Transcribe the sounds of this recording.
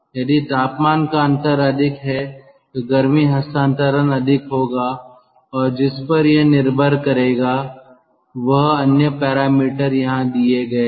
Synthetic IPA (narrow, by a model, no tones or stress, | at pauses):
jɐd̪it̪aːpmaːnkaɐ̃nt̪əɾɐd̪ʱɪkɦɛ | ɡɐɾmiɦɐst̪ãːnt̪əɾənɐd̪ʱɪkɦoːɡaː | ɔːɾd͡ʒɪspɐɾjenɪɾbʱəɾkɐɾeːɡaː | ʋɐɦɐnjəpɛːɾaːmiːʈəɾjɐɦãd̪ieɡɐeː